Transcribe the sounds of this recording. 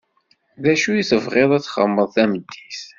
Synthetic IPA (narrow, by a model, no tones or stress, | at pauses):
ðæʃujiθəvʁeðˤæt͡sːχə̰mːəðˤθæməd̪ːiθ